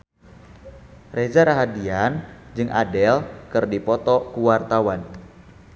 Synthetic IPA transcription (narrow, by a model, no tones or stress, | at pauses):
rezaɾaɦadiand͡ʒɨŋʔa̰dɛlkɨrdipɔt̪ɔkuwart̪awan